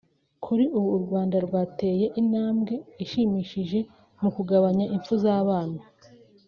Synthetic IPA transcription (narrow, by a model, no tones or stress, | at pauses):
kʰuɾiʔuβuɾɡwaːndaɾɡwaːte̞ːje̞ʔinhaːmɡe̞iʃimiːʃiʒe̞ | mukuɡaβaɲaʔiɱfuzaːβaːna